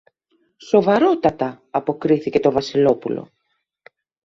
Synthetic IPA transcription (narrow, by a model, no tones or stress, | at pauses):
so̞vɐɾo̞t̪ɐt̪ɐː | po̞kɾiθice̞t̪o̞vɐsilo̞pṵlo̞̰